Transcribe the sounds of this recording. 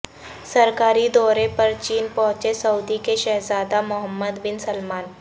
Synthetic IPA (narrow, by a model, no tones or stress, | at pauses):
sɐɾkaːɾid̪ɔːɾepɐɾt͡ʃiːnpɔ̃ɦʊ̃t͡ʃesɐʊd̪ikeʃɛɦzaːd̪amʊɦəmːəd̪bɪnsəlmaːn